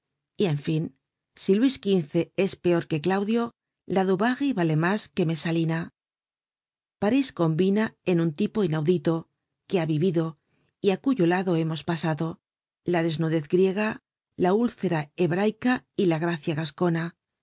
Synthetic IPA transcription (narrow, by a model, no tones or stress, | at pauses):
ie̞ɱfin | silwiskinθe̞e̞spe̞o̞ɾke̞klawðjo̞ | laðuβaɣiβale̞maske̞me̞salina | paɾisko̞mbinae̞nunt̪ipo̞inawðit̪o̞ | keaβiβiðo̞ | iakuʝo̞laðo̞e̞mo̞spasaðo̞ | laðe̞znuðe̞θɡɾje̞ɣ̞a | laulθe̞ɾae̞βɾajkailaɣɾaθjaɣasko̞na